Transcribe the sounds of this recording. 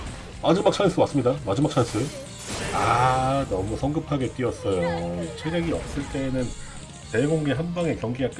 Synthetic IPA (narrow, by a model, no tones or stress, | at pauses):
mad͡ʑɯmak̚t͡ɕʰajs͈ʰɯwas͈ɯmɲidamad͡ʑɯmak̚t͡ɕʰas͈ʰɯ | anʌmusʰʌŋɡɯpʰaɡe̞t͈ɥiʌs͈ʌjoit͡ɕʰeɾjeɡiʌ̰p̚s͈ɯɭt͈e̞ːnɯn | te̞ɡoŋɡeɦanbaŋe̞kjʌŋɡiak͈